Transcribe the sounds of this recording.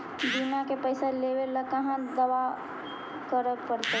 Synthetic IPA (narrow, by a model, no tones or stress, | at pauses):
binakepəɪseleːʋeləkɐɦãd̪ɐʋa | kəɾək̚pəɾt̪e